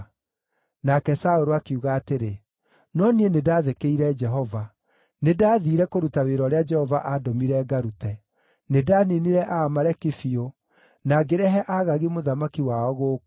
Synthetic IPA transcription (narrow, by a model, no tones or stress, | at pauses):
nakɛsaoɾoakuɣaːteɾe | nɔnienedaːðekeiɾɛd͡ʒɛɦɔva | nedaːðiːɾɛkoɾutaweɾɔɾead͡ʒɛhɔvaʔadɔmiɾɛɡaɾutɛ | nedaːniniɾɛʔaːmaɾɛkifio | naɡeɾɛɦɛʔaɣaɣimoðamakiwaɔɣoː